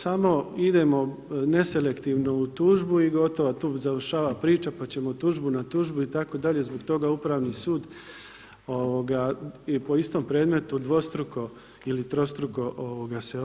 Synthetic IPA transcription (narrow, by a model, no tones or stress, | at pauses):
samo̞id̪e̞mo̞ | ne̞se̞le̞kt̪iːʋno̞ut̪uːʒbuiɡo̞t̪o̞ʋat̪uːzaʋrʃaːʋapɾiːt͡ʃapat͡ɕe̞mo̞t̪uːʒbunat̪uːʒbuit̪ako̞d̪aʎe̞zboɡt̪o̞ɡaupɾaːʋnisuːd̪ | o̞ʋo̞ɡapo̞ist̪o̞ːmpɾe̞ːd̪me̞t̪ud̪ʋo̞st̪ɾuko̞ | ilit̪ɾo̞st̪ɾuko̞ʔoʋoɡase